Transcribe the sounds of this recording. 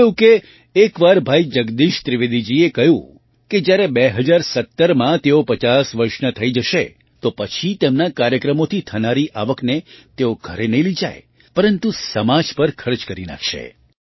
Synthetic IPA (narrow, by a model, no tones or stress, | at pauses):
jũkeː | kʋaɾbʱaid͡ʒəɡd̪iʃt̪ɾiʋed̪id͡ʒiekəɦjṵ̃ | ked͡ʒjaɾebeɦəd͡ʒaɾsət̪ːəɾmãt̪eopət͡ʃasʋəɾʃnət̪ʰəid͡ʒəʃe | t̪opət͡ʃʰit̪emnakaɾjəkɾəmot̪ʰit̪ʰənaɾiʔaʋəknet̪eoɡʱəɾenəɦĩlid͡ʒa̰j | pəɾənt̪usəmad͡ʒpəɾkʰəɾd͡ʒkəɾina̰kʰʃḛ